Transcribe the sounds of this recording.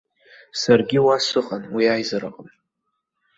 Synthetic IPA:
sarɡʲɪwasɨχʼanwiajzaɾa̰qʼəm

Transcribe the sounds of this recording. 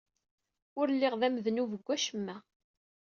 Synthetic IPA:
ʊɾlːiʁðæmðnuvəɡʷːæʃəmːæ

